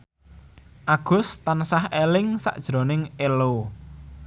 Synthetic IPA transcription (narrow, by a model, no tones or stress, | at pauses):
ʔaɡ̥ʊ̤st̪ansahelɪŋsa̰ʔd̥ʒ̥ɾo̤nɪŋelo